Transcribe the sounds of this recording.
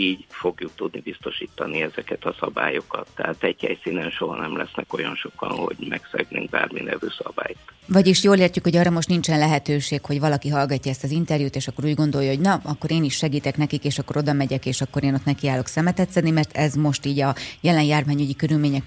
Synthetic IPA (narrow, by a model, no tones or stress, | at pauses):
iːɟfoɡjuk̚t̪ud̪nibist̪o̞ʃiːt̪ːɒniɛzɛkɛt̪ɒsɒba̰ːjo̞kɒt̪ːɛɦaːt̪ɛɟhɛjsiːnɛnʃo̞ɦɒnɛmlɛsnɛko̞jɒnʃo̞kɒ̰nho̞̰ɟmɛksɛ̰ɡnḛːŋɡ̚ba̰ːrminɛvøːsɒbaːjt̪vɒɟiʃjoːleːrcukho̞ɟɒːrːɒmo̞ʃt̪nint͡ʃɛnlɛɦɛt̪øːʃeːkho̞ɟvɒlɒkiɦɒlɡɒcːɒɛst̪ɒzint̪ɛrjuːt̪eːʃɒkːo̞ɾuːɟɡo̞nd̪o̞jːɒɦo̞ɟnɒɒkːo̞ɾeːniʃʃɛɡiːt̪ɛknɛkikeːʃɒkːo̞ɾo̞d̪ɒmɛɟɛkeːʃɒkːo̞ɾeːno̞t̪nɛkiaːlo̞ksɛmɛt̪ɛt̪sɛd̪nimɛrt̪ɛzmo̞ʃt̪iːɟɒjɛlɛnjaːrvaːɲuɟikøɾylmeːɲɛk